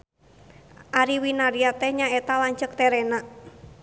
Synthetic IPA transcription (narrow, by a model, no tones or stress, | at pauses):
ʔaɾiwinaɾiat̪ɛhɲaet̪alaɲt͡ʃək̚t̪ɛɾɛna